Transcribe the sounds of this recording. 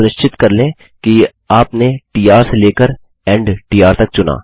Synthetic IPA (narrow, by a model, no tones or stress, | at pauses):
ʊɾət͡ʃɪt̪kɐɾlẽː | ki | aːpneʈiːjaːɾseleːkəɾ | ɛ̃ːɳɖʈiːaːɾt̪ɐk̚t͡ʃʊna̰ː